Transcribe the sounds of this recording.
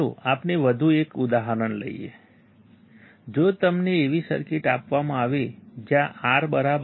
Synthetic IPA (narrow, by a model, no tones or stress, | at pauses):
oapneʋəd̪ʱuekud̪aɦəɾənlə̰ḭḛ | d͡ʒot̪əmneːʋisə̰ɾkɪʈapʋamãaʋed͡ʒjãʔaɾbəɾab